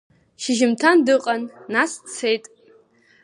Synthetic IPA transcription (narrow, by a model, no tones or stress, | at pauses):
ʃɪʒɪmtʰandɨqʼanːast͡sʰe̞jtʼ